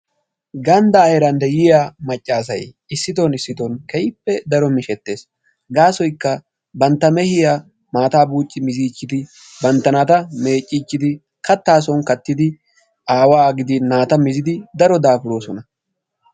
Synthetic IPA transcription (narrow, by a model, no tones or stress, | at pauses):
ɡɐnd̪aːhɛɾɐnd̪ɛjɪjaːmɐt͡ʃʼːaːs̬ɐ̰j | ɪsːɪt̪̬ɔnɪsːɪt̪ɔnkɛjɪpːɛd̪ɐɾɔmɪʃɛt̪ːe̞ːs | ɡaːsɔjkːɐ | bɐnt̪ːɐmɛhɪja | maːt̪aːbuːt͡ʃʼːɪmɪziːt͡ʃːɪd̪ɪ | bɐnt̪ːɐnat̪ɐme̞ːt͡ʃʼːiːt͡ʃːɪd̪ɪ | kɐt̪ːaːs̬ɔnkɐt̪ːɪd̪ɪ | aːwaːɡɪd̪ɪnaːt̪ɐmɪzɪd̪ɪd̪ɐɾɔd̪aːfɪɾo̞ːsɔnɐ